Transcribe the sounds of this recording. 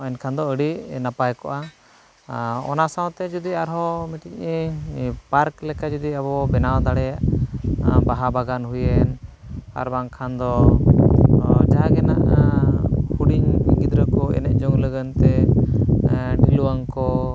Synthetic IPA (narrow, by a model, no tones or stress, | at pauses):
ɔɛnkʰand̪ɔəɽinapajkɔʔa | ɔ̰nasawt̪ɛd͡ʒud̪iaɾɦɔmɛt̪icipaɾklɛkad͡ʒud̪iabɔbɛnawd̪aɽɛjaʔ | baɦabaɡanɦujɛna̰ɾbaŋkʰand̪ɔ | d͡ʒaɦaɡɛna̰ʔ | huɽiɲɡid̪ɾəkɔɛ̰nɛʔ̚d͡ʒɔŋləɡənt̪ɛ | ɖiluwaŋkɔ